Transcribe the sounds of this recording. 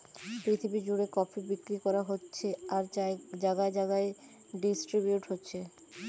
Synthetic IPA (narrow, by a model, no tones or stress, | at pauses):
pɾit̪ʰibid͡ʑoɽekɔfʰibikɾikɔɾaɦotːɕʰeaɾd͡ʑaɡaed͡ʑaɡae | ɖisʈɾibjuʈɦotːɕʰe